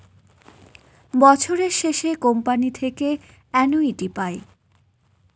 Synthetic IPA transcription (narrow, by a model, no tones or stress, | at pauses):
bɔt͡ɕʰoɾeɾʃeʃekompanit̪ʰeke | ɛnoiʈipae